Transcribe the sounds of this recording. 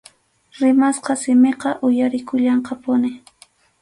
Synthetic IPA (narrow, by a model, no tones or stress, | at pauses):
ɾɪmasqɑsɪmeqɑʔʊjaɾɪkʊʎɑɴqɑpʊnɪ